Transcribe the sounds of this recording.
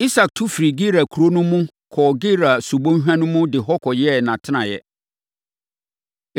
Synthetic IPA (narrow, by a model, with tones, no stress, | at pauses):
i˦sa˨k̚tʰu˦fɾi˨ɡi˦ɾa˨kʰu˨ɾo˦nʊ̃˦mʊ̃˦ | kʰɔː˨ɡi˦ɾa˨su˨bõ˦ɦᶣã˦nʊ̃˦mʊ̃˦dɪ˨ɦɔ˦kʰɔ˨jɪ˦ɛ˦˨nã˨tʰɪ˦nã˨jɛ˦